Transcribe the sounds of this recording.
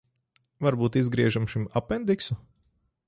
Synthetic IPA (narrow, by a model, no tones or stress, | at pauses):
vaɾbuːt̪izɡɾiɛʒamʃimapːɛnd̪iksu